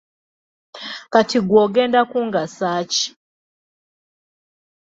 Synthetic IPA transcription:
katiɡwɔɡɛndakuŋɡasat͡ʃi̥

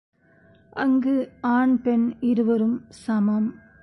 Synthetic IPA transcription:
ʔɐŋɡɯaːɳpɛnɪɾɯʋɐɾɯmsɐmɐm

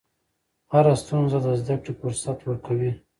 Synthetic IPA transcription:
haɾast̪unzad̪əzd̪akɽifʊɾsat̪wəɾkawi

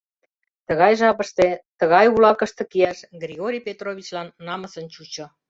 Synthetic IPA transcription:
t̪ə̆ɣɑjʒɑpə̆ʃt̪et̪ə̆ɣɑjulɑkə̆ʃt̪ɤ̆kiæʃɡrʲiɣoɾʲijpʲet̪roβʲit͡ɕlɑnːɑmə̆sə̆nt͡ɕut͡ɕŏ

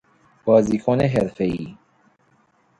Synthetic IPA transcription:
b̥ɒːziːkʰoneɦeɾfeiː

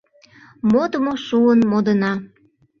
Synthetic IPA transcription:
mot̪əmoʃuənmod̪ənɑ

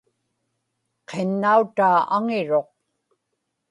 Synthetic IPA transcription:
qʰenːaut̪aːaŋɪɻo̞q̚

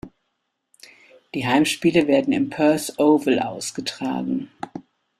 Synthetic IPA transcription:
d̥iːɦaɪmʃpiːləveːɐdn̩ɪ̰mpʰœɐsʔoːvəlʔaʊsɡ̥ətʁ̥a̰ːɡŋ̩

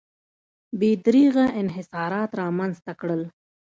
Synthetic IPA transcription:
bed̪ɾiɣaʔɪnɦɪsɑɾɑt̪ɾɑmanzt̪akɽəl

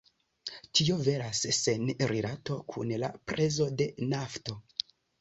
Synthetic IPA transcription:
tio̞ve̞ɾasːenɾilato̞kʰṵnla̰pɾʔe̞zo̞de̞nafto̞

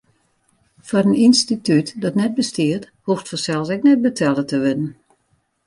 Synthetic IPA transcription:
fɔrəninstitytdɔtnɛt̚bəstiət | huftfɔsɛlˠsɛk̚nɛt̚bətʰɛlˠətəʋɪdən̩

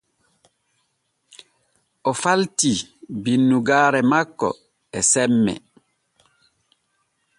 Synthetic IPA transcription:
ɔfaltibinːuɡaːɾɛmakːɔ̰ | ɛsɛmːɛ̰

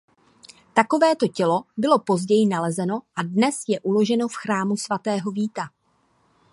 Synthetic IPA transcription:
t̪ako̞vɛːt̪o̞cɛlo̞bɪlo̞po̞zɟɛjɪnalɛzɛno̞ʔadnɛsjɛʔulo̞ʒɛno̞fxɾaːmusvat̪ɛːɦo̞viːt̪a

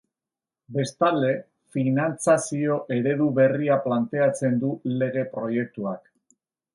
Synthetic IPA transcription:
be̞st̪ald̪e̞ | finant͡sasio̞ʔe̞ɾe̞ðuβe̞riaplant̪e̞at͡se̞nd̪ule̞ɣ̞e̞pɾo̞je̞k̚t̪uak

